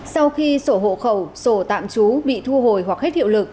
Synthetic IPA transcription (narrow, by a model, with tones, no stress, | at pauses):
sa˧wxi˧so˧˩ɦo̰˧˨xə˧˩wso˧˩t̪a̰ː˧˨mt͡ɕu˨˦ɓḭ˧˨t̪ʰu˧ɦo˨˩jɦwa˨˩k̚he˦˥t̚hḭ˧˨əwlɨ˨˩k̚